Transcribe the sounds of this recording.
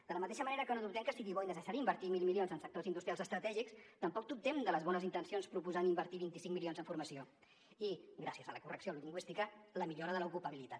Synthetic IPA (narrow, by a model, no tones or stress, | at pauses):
d̪ələmət̪eʃəməneɾəkənod̪up̚t̪ɛmkəsiɣiβɔinəzəʒaɾimbəɾt̪imilˠmilionzənsək̚t̪ozind̪ust̪ɾialzəst̪ɾət̪ɛʒikst̪əmpɔk̚t̪up̚t̪ɛmd̪ələzβɔnəzint̪ənsionspɾupuzanimbəɾt̪iβint̪isiŋmilionzəɱfuɾməsio | iɡɾasiəzələkurəksioluʎiŋɡwist̪ikələmiʎoɾəðələukupəβ̞ilit̪at̪